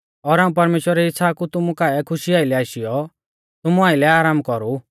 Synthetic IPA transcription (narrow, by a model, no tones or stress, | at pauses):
ɔːɾaːũp̬ɐɾmeːʃwəɾɛɪtːʰakut̪ʊmukaɛkʰʊʃiaːɪlɛaːɪʃɪjɔ | t̪ʊmuaːɪlɛaːɾaːmkɔɾu